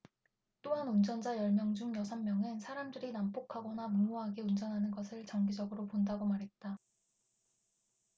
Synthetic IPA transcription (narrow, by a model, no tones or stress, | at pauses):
t͈oɦanund͡ʑʌnd͡ʑajʌɭmjʌŋd͡ʑuŋjʌsʰanːjʌŋɯnsʰaɾamdɯɾinamp͈okʰaɡʌnamumoɦaɡeund͡ʑʌnɦanɯnɡʌsʰɯɭt͡ɕʌŋɡid͡ʑʌɡɯɾopondaɡomaɾɦe̞t̚t͈a